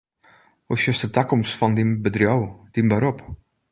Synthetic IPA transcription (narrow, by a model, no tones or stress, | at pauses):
usjəstətakɔmsfɔndinbədrjowd̥inbəɾop